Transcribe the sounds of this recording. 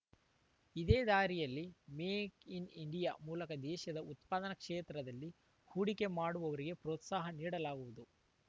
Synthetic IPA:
id̪eːd̪aːɾijɐlːimeːkiniɳɖijamuːlɐkɐd̪ɛːʃɐd̪ɐut̪paːd̪ɐnɐkʂeːt̪ɾɐd̪ɐlːi | huːɽike̞maːɽuʋɐʋɐɾiɡe̞pɾoːt̪saːɦɐniːɽɐlaːɡuʋud̪u

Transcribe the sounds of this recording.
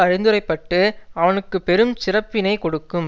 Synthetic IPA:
ɐɾɪnd̪ɯɾɐɪpːɐʈːɯɐʋɐnɯkːɯpɛɾɯmsɪrɐpːɪnɐɪkɔɽɯkːɯm

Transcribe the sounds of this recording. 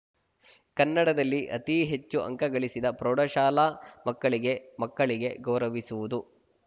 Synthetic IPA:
kɐnːɐɽɐd̪ɐlːiʔɐ̰t̪iɦet͡ʃːuʔɐ̰ŋkɐɡɐɭisid̪ɐpɾoːɽɐʃaːlamɐkːɐɭiɡe̞mɐkːɐɭiɡe̞ɡɐwɾɐʋisuʋud̪u

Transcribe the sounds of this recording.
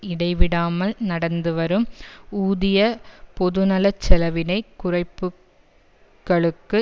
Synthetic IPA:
ɪɽɐɪʋɪɽaːmɐlnɐɽɐnd̪ɯʋɐɾɯmuːðɪjɐpɔðɯnɐlɐt͡ʃːɛlɐʋɪnɐɪkːʊrɐɪpːɯ | kɐɭɯkːɯ

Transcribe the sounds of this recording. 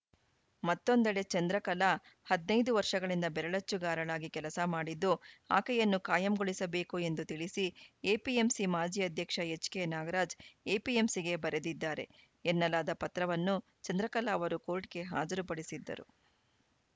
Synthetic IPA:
mɐt̪ːo̞nd̪ɐɭe̞t͡ʃɐnd̪ɾɐkɐlɐ | hɐd̪nɐjd̪uʋɐɾʂɐɡɐɭind̪ɐbɛɾɐɭɐt͡ʃːuɡaːɾɐɭaːɡikɛlɐsɐmaːɽid̪ːua̰ːkɛjɐnːukaːjɐmɡoɭisɐbe̞ːkue̞nd̪ut̪iɭisieːpiemsimaːd͡ʒiːɐd̪ʱjɐkʂɐet͡ʃkenaːɡɐɾaːd͡ʒeːpiemsiɡe̞bɐɾed̪id̪ːaːɾe̞̰ | enːɐlaːd̪ɐpɐt̪ɾɐʋɐnːu | t͡ʃɐnd̪ɾɐkɐlaːʋɐɾukoːlʈ̚ke̞ɦa̰ːd͡ʒɐɾupɐɽisid̪ːɐ̰ɾṵ

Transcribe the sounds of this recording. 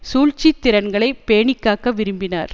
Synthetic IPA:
suːlt͡ʃit̪ːɪɾɐnɡɐɭɐɪpeːɳɪkːaːkɐʋɪɾɯmbɪna̰ːɾ

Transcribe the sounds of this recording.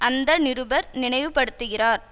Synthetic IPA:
ʔɐnd̪ɐnɪɾɯbɐɾnɪɳɐɪʋɯpːɐɽɯt̪ːɯɣɪraːɾ

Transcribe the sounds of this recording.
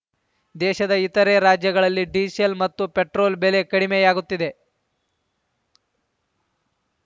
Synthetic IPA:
d̪ɛːʃɐd̪ɐit̪ɐɾeːɾaːd͡ʒjɐɡɐɭɐlːiɖiːsɐlmɐt̪ːupeʈɾo̞ːlbele̞kɐɽimejaːɡut̪ːid̪e̞

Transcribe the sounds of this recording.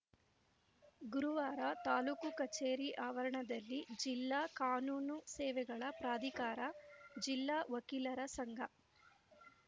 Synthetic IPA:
ɡuɾuʋaːɾɐt̪aːlukukɐt͡ʃeːɾiʔaːʋɐɾɐɳɐd̪ɐlːid͡ʒilːaːkaːnuːnusɛːʋɛɡɐɭɐpɾaːd̪ikaːɾɐd͡ʒilːaːʋɐkiːlɐɾɐsɐŋɡʱɐ

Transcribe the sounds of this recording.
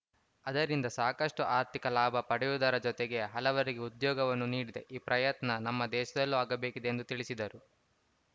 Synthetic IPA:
ɐd̪ɐɾind̪ɐsaːkɐʂʈuʔaːɾt̪ikɐlaːbʱɐpɐɽɛjud̪ɐɾɐd͡ʒɔt̪eɡe̞ɦɐlɐʋɐɾiɡe̞ud̪jɔːɡɐʋɐnːuniːɽid̪e̞ʔiːpɾʔɐjɐt̪nɐnɐmːɐd̪ɛːʃɐd̪ɐlːuaːɡɐbe̞ːkid̪eend̪ut̪iɭisid̪ɐɾu

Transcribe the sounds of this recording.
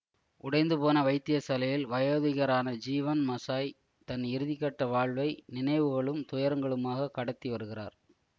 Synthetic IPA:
ʔʊɽɐɪnd̪ɯpoːnɐʋɐɪt̪ːɪjɐsɐlɐjɪlʋɐjoːðɪɣɐɾaːnɐd͡ʒiːʋɐnmɐsaːj | t̪ɐnɪɾɯðɪkːɐʈːɐʋaːɭʋɐɪnɪnɐɪʋɯɣɐɭɯmt̪ʊjɐɾɐŋɡɐɭɯmaːɣɐkːɐɽɐt̪ːiʋɐɾɯɣɪra̰ːɾ

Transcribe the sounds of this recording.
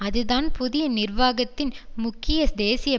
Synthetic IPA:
ɐðɯðaːnpʊðɪjɐnɪrʋaːɣɐt̪ːɪnmʊkːɪjɐd̪eːsɪjɐ

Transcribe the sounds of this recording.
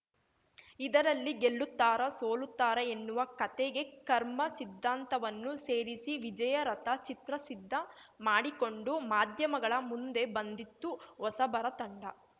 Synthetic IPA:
id̪ɐɾɐlːiɡeɭːut̪ːaːɾɐsoːlut̪ːaːɾɐenːuʋɐkɐt̪eɡe̞kɐɾmɐsid̪ʱːaːnt̪ɐʋɐnːuse̞ːɾisiʋid͡ʒɐjɐɾɐt̪ɐt͡ʃit̪ɾɐsid̪ʱːɐmaːɽiko̞ɳɖumaːd̪ʱjɐmɐɡɐɭɐmund̪e̞bɐnd̪it̪ːuɦɔsɐbɐɾɐt̪ɐɳɖɐ

